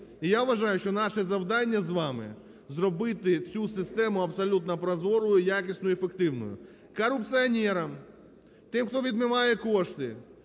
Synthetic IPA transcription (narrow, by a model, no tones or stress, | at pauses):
ijawʋɐʒɑjʊʃt͡ʃɔnɑʃɛzɐwd̪ɑnʲːɐzʋɑmɪ̰ | zrɔbɪt̪ɪt͡sʲusɪst̪ɛmʊɐpsɐlʲut̪nɐpɾɐzɔɾʊjʊjakʲisʲnʊjʊefekt̪ɪwnʊ̰jʊ̰ | kɐɾʊp̚t̪sɨɐnʲɛɾɐm | t̪ɪmxt̪ɔʋʲid̪mɪʋɑjɛkɔʃt̪ɪ